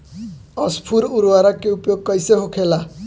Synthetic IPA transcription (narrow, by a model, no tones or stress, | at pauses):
ʌspʰuɾuɾwaɾakeupjoɡ̚kʌjseɦokʰela